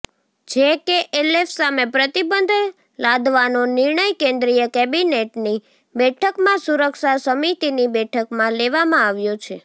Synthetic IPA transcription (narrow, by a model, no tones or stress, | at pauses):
d͡ʒekeʔelefsamepɾət̪ibənd̪ʱ | lad̪ʱʋanonɪɾɳəjkẽnd̪ɾijəkɛbineʈni | bɛʈʰəkmãsuɾəkʃasəmit̪inibɛʈʰəkmãleʋamãaʋjot͡ʃʰe